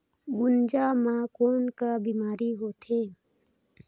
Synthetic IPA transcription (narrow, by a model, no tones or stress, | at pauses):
ɡʊnd͡ʒamãːkoːnkabiːmaːɾiɦoːt̪ʰeː